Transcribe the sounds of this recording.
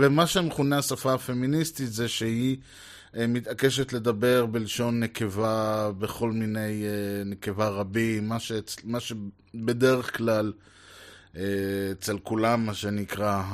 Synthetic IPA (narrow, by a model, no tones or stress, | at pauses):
vemaʃemeχuneasafaːfe̞ministit̪zeʃehi | mit̪ake̞ʃ̬et̪le̞d̪abe̞ʁbeliʃo̞nːeke̞vabe̞χo̞lmine̞jeneke̞vaʁabimaʃet͡smaʃe | be̞d̪e̞ʁeχklal | eet͡se̞lkulamːaʃe̞nikʁa